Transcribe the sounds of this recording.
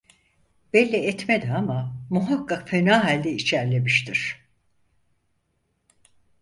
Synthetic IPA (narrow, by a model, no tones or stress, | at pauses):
b̥ɛlʲːɛɛt̪med̪ɛamamuɦakːakfe̞naːɦalʲd̪ɛit͡ʃʰæɾlʲe̞miʃt̪ʰiɾ̥